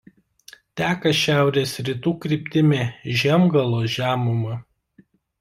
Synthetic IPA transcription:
t̪ʲæːkɐʃʲæˑʊɾʲeːsɾʲɪt̪uːkɾʲɪpʲt̪ʲɪmʲeːʒʲɛmɡɐlˠoːʒʲæːmʊmɐ

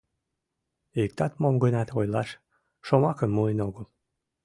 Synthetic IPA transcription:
ek̚t̪ɑt̪momɡənɑt̪ʰojlɑʃ | ʃomɑkənmuenoɣəl

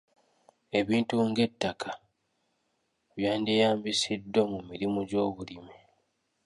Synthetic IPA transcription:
e̞βiːntuŋɡe̞tːakʰa | βjaːndijaːmbisidːomumiɾimuɟo̞ːβulimi

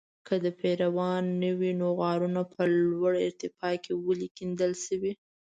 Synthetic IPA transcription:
kəd̪əpeɾawɑnːəwinoɣɑɾunapəlwaɽɪ̰ɾt̪ɪfɑkewəlikind̪əlʃəwi

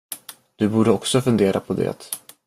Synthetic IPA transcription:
d̪̥ɵbuːɖəɔksɔfɵnd̪eːɾʔapʰɔd̪ɛ̰ːt̪

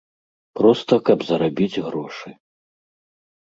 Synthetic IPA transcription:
pɾɔst̪ɐkɐbzɐɾabʲid͡zʲɣɾɔʂɨ

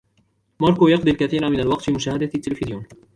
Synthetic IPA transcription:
mɑɾˤkojɑqd̪ˤilkaθiːɾamɪnalwɑqt̪fiːmʊʃaːhad̪at̪ːɪlfɪðɪjuːn

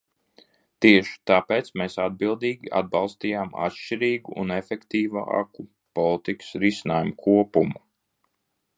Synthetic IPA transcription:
t̪iɛʃi̥t̪aːpeːt̪smeːsad̪̚bilˠd̪iːɡʲiʔa̰d̪̚bɑlˠst̪iːjaːma̰t̪ʃt͡ʃiɾiːɡuʔṵnefɛkt̪iːva̰ku | pɔlˠit̪ikə̥sɾisinaːjumukʰuɔpumu

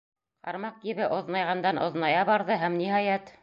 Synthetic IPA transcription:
qɑ̰ɾmɑq̚kiβɘʔŏðnɑjʁɑnd̪ɑnʔŏ̰ðnɑjɑbɑɾðɤɦæmniɦɑjæt̪

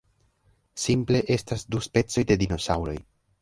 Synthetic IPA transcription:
simple̞ʔe̞stasduspe̞t͡so̞jd̪e̞d̪ino̞sawɾo̞̰j

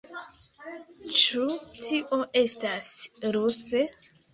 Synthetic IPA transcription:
t͡ʃutʰiʔo̞ʔe̞stasɾuse

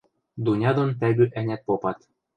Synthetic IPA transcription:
d̪unʲɑd̪ont̪æbyʔænʲæt̪̚popɑt̪

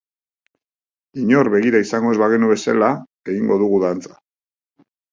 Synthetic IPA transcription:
iɲo̞ɾβe̞ɣiɾaisaŋɡo̞e̞zβaɣe̞nuβe̞sa̰la | e̞ɣiŋɡo̞ðuɣuðant͡sḁ

